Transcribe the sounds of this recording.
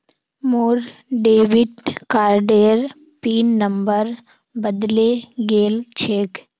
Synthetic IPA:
moːɾɖeːʋɪɖkaːɾɖeːəɾ | piːnːəmbəɾ | bəd̪leɡeːlt͡ʃʰeːk

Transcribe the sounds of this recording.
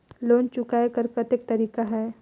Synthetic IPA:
loːnt͡ʃʊkaːekɐɾkɐt̪ɪk̚t̪ɐɾiːkaɦɛː

